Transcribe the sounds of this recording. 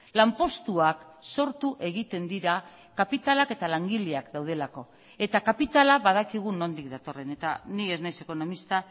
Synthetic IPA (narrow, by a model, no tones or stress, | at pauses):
lampo̞st̪uak | so̞ɾt̪uʔe̞ɣ̞it̪e̞nd̪iɾa | kapit̪alake̞t̪alaŋɡiʎiakd̪awð̞e̞lako̞ | e̞t̪akapit̪alaβaðakiɣ̞uno̞nd̪ikd̪at̪o̞re̞ne̞t̪a̰nie̞znajse̞kono̞mist̪a